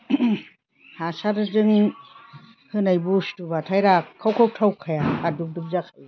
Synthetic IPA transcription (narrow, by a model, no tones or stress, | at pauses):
hasaɾɯzɯŋ | hɯnajbustubatʰajɾaawkʰaw̚tʰawkʰajaaduk̚duk̚zakʰaj